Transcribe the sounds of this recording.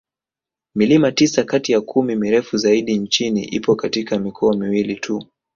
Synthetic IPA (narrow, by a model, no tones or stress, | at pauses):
milimatisakatijakʰumimiɾɛfuzaiɗint͡ʃinḭʔḭpɔkatikamikʰɔamiwilitʰu